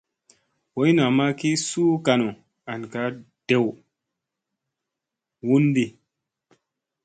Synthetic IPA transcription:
wo˦jna˨ma˦ki˦suː˦ka˨no˨ | a˨nka˨˦ | d̥e˦˨w | wu˦ndi˦

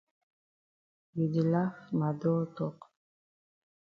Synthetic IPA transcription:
ji˨d̪i˨la˦fma˨d̪ɔ˦t̪ɔ˦q

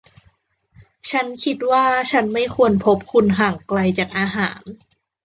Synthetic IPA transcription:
t͡ɕʰa˦˥nkʰi˦˥t̪̚waː˥˩t͡ɕʰa˦˥nma˥˩jkʰu˧ənpʰo˦˥p̚kʰu˧nɦaː˨˩ŋkla˧jt͡ɕaː˨˩k̚ʔaː˧ɦaː˩˦n

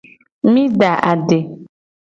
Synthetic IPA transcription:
mĩ˦da˨ʔa˨de˨

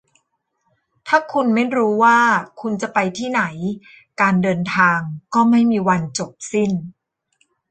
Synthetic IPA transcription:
t̪ʰaː˥˩kʰu˧nma˥˩jɾuː˦˥waː˥˩kʰu˧nt͡ɕa˨˩pa˧jt̪ʰiː˥˩na˩˦j | kaː˧ndɤː˧nt̪ʰaː˧ŋkɔː˥˩ma˥˩jmiː˧wa˧nt͡ɕo˨˩p̚si˥˩n

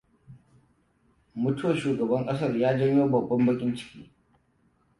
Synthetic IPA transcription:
mʊ˦tu˦wɐ˨ʃuː˨ɡɐ˨bɐ˦ŋkʼɐ˦s̬ɐ˦˨rjaː˦d͡ʒɐ˦ɲjoː˦bɐ˨bːɐ˦mbɐ˦kʲʼɪ˦nt͡ʃɪ̥˦kʲiː˦

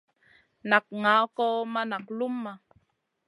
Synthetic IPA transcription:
na˨k̚ŋa˦ko˦ma˦na˨qlu˦mːa˨

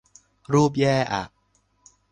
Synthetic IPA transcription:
ɾuː˥˩p̚jɛː˥˩ʔa̰˨˩ʔ

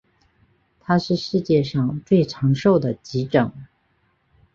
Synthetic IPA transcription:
t̪ʰa˥ʂɻ̩˥˧ʂɻ̩˥˧t͡ɕjɛ˥˧ʂɑ˥˧ŋt͡swe˥˩ɪʈ͡ʂʰɑ˧˥ŋʂo˥˩ʊd̪ə˩t͡ɕi˧˥ʈ͡ʂɤ˨˩˦ŋ

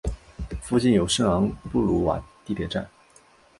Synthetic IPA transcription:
fu˥˧t͡ɕi˥˩njo˨˩ʊʂɤ˥˩ŋɑ˧˥ŋpu˥˩lu˧˥wa̰˨˩t̪i˥˩t̪jɛ˨˩ʈ͡ʂa̰˥˩n

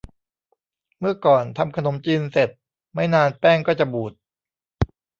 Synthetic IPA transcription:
mɯ˥˩ɐkɔː˨˩nt̪ʰa˧mkʰa˧no˩˦mt͡ɕiː˧nse˨˩t̪̚ | ma˥˩jnaː˧npɛː˥˩ŋkɔː˥˩t͡ɕa˨˩buː˨˩t̪̚

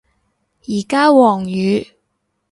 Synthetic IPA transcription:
jiː˨˩kaː˥wɔː˨˩ŋjyː˨˧

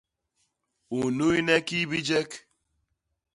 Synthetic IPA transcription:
u˨nu˦i˦ne˦ki˦bi˦d͡ʒe˦k

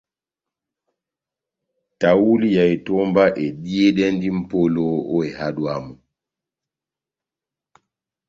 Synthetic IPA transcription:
ta˨wu˦li˦ja˨jtɔ˦mba˦ʔɛ˨ɗi˦e˦ɗɛ˦ndi˦m̩˦po˦lo˦ɔ˦ɛ˨ha˦ɗua˨mu˨

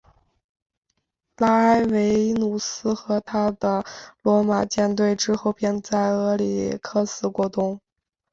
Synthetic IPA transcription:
la˥a˥ɪwe˧˥ɪnu˨˩sɹ̩˥xɤ˧˥t̪ʰa˥d̪ə˨lwɔ˧˥ma˨˩t͡ɕjɛ˥˧nt̪we˥˩ɪʈ͡ʂɻ̩˥xo˥˧ʊpjɛ˥˧nt͡sa˥˩ɪɤ˧˥lḭ˨˩kʰɤ˥sɹ̩˧˥kwɔ˧˥t̪ʊ˥ŋ

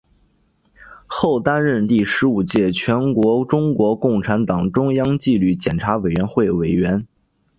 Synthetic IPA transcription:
xo˥˩ʊt̪a˥nɻə˥˧nt̪i˥˩ʂɻ̩˧˥u˨˩t͡ɕjɛ˥˩t͡ɕʰɥɛ˧˥nkwɔ˧˥ʈ͡ʂʊ˥ŋkwɔ˧˥kʊ˥˩ŋʈ͡ʂʰa˧˥nt̪ɑ˨˩ŋʈ͡ʂʊ˥ŋjɑ˥ŋt͡ɕi˥˧ly˥˩t͡ɕjɛ˨˩nʈ͡ʂʰa˧˥we˨˩ɪɥɛ˧˥nxwe˥˩ɪwe˨˩ɪɥɛ˧˥n

